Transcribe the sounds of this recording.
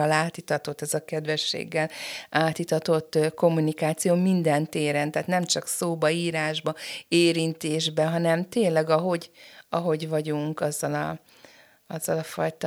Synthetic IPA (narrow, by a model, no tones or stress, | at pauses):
ɒlaːt̪it̪ɒt̪o̞t̪ːɛzɒkɛd̪ʋɛʃːḛːɡːɛlaːt̪it̪ɒt̪o̞t̪ːko̞mːunikaːt̪sijoːmind̪ɛnt̪eːɾɛnt̪aːt̪nɛmt͡ʃɒksoːbɒiːɾaːʒbɒeːɾint̪eːʒbɛɦɒnɛmt̪eːnlɛɡɒɦo̞ɟɒɦo̞ɟvɒɟuŋkɒzːɒlɒ̰ | ɒzːɒlɒfɒjt̪ɒ